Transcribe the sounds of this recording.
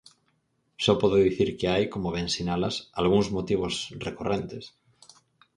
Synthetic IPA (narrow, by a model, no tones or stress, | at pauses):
sɔpɔðʊðiθiɾkeajkomoβẽnsinalasalɣuŋzmot̪iβ̞osrekorʔent̪es